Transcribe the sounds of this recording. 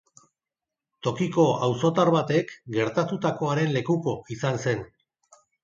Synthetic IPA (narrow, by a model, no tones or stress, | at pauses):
t̪o̞kiko̞awso̞t̪aɾβat̪e̞kɡe̞ɾt̪at̪ut̪ako̞aɾe̞nle̞kuko̞isanse̞n